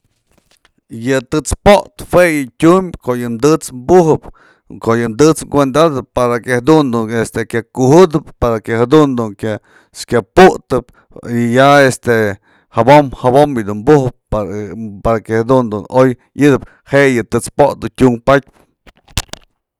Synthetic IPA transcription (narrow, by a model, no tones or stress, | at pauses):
jɨt̪ɨt͡spoʔt̪hwejɨtʲumkoʔjɨmd̪ɨt͡smbuɦɨp | koʔjɨmd̪ɨt͡sɡʷend̪ad̪ɨppaɾakehad̪und̪uest̪ekʲakuhɨd̪ɨp̚paɾakehad̪und̪uŋkʲja | skʲapuʔt̪ɨp̚ | ijaest̪e | habomhabomjɨd̪unmbuhɨp̚ | paɾakehad̪und̪unoj | ɨd̪ɨp | heʔejɨt̪ɨt͡spot̪̚d̪utʲuŋpat̚ʲp